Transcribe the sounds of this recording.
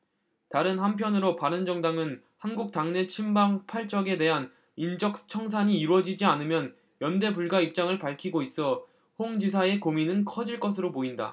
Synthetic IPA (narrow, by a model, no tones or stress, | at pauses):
taɾɯnhampʰjʌnɯɾopaɾɯnd͡ʑʌŋdaŋɯn | hanɡuk̚t͈aŋne̞t͡ɕʰimbaŋpʰaɭt͡ɕ͈ʌɡe̞de̞ɦan | ind͡ʑʌk̚t͡ɕʰʌŋs̬ʰaɲiːɾwʌd͡ʑid͡ʑianɯmjʌn | jʌnde̞buɭɡaip̚t͡ɕ͈aŋɯɭpaɭkʰiɡois͈ʌ | hoŋd͡ʑis̬ʰae̞kominɯnkʰʌd͡ʑiɭk͈ʌs̬ʰɯɾopoinda̰